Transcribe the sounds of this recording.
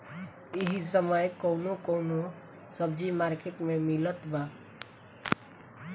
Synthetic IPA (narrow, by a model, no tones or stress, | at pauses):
iɦisəməjkoʊnokoʊno | səb̚d͡ʒimaɾkeʈmẽmilət̪ba